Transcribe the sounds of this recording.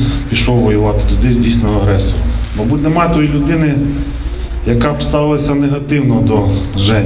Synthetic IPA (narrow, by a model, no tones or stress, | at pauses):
pʲiʃɔwʋɔjʊʋɑt̪ɪ̥t̪ʊd̪ɪzʲdʲijsʲnɔʋɐɦɾɛsɔɾɔmmɐbutʲnemɑt̪ɔjilʲʊd̪ɪnɪ | jɐkɑpst̪ɑʋɪlˠɐsʲɐneɦɐt̪ɪwnɔd̪ɔʒɛ